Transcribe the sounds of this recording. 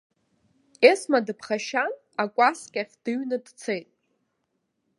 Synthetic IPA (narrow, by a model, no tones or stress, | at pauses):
esmadɨpʰχaʃan | akʷʼaskʲʼaχʲd̥ɨɥnɨdt͡sʰejtʼ